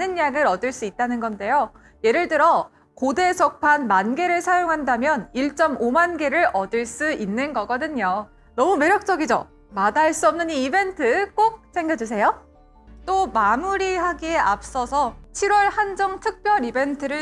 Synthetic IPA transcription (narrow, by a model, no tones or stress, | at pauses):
nɯnjaɡɯɾʌdɯɭs͈uit̚t͈anɯnɡʌnde̞jo | je̞ɾɯɭt͈ɯɾʌ | kode̞sʰʌk̚pʰanmanɡe̞ɾɯɭsʰajoŋɦandamjʌniɭt͡ɕ͈ʌmomanɡe̞ɾɯɾʌdɯɭs͈uinːɯnɡʌɡʌdɯɲo | nʌmume̞ɾjʌk̚t͡ɕ͈ʌɡid͡ʑo | madaɦeɭs͈uʌmnɯɲiːbe̞ntʰɯk͈ok̚sʰe̞ŋɡjʌd͡ʑusʰe̞jo | t͈omamuɾihaɡieap̚s͈ʌsʰʌt͡ɕʰiɾwʌɭhand͡ʑʌŋtʰɯk̚p͈jʌɾibe̞ntʰɯɾɯɭ